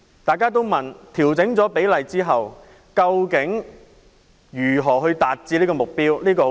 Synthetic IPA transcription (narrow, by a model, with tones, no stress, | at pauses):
t̪aː˨˩jkaː˥t̪o˥wmɐ˨nt̪ʰiː˨˩wt͡sɪ˨˥ŋt͡sɔː˨˥pe˨˥jlɐ˨jt͡siː˥ɦɐ˨w | kɐ˧wkɪ˨˥ŋ | jyː˨˩ɦɔː˨˩ɦɵ˧ɥt̪aː˨t̚t͡siː˧liː˥kɔː˧mʊ˨k̚piː˥wliː˥kɔː˧